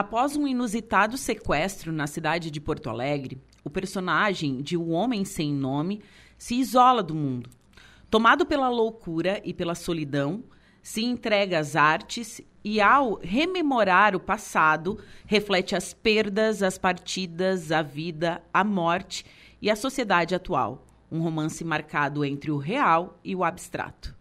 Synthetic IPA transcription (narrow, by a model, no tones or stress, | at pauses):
apɔzũinuzit̪ad̪ʊsekwɛst̪ɾʊnɐsid̪ad͡ʒɪd͡ʒɪpoɾt̪ʊa̰lɛɡɾɪ | ʊpeɾsonaʒẽj̃d͡ʒɪuʊõmẽj̃sẽj̃nõmɪsɪːzɔlɐd̪ʊmũnd̪ʊ | t̪omad̪ʊpelɐlowkuɾɐʔɪpelɐsolid̪ɐ̃w̃ | sɪẽnt̪ɾɛɡɐːzaɾt͡ʃɪs | ɪawɦememoɾaɾʊpasad̪ʊheflɛt͡ʃɪɐspeɾd̪ɐzɐspaɾt͡ʃid̪ɐzɐvid̪ɐamɔɾt͡ʃɪ̥ɪɐsosied̪ad͡ʒɪat̪ua̰w | ũɦomɐ̃sɪmaɾkad̪ʊẽnt̪ɾɪʊɦeawɪʊabist̪ɾa̰t̪ʊ̥